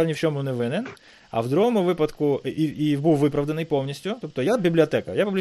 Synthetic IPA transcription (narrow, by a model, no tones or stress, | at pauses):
ɾʲnʲɪft͡ɕomunɪʋɪnɛn | ɐ̰vd̪ɾʊɦomʊvɨpɐt̪kʊiibɨvɨpɾɐvd̪ənɨjpolˠnʲisʲtʲjʊt̪opt̪ɔjabʲɪblʲɪɐt̪ɛkɐ̰japʊblʲ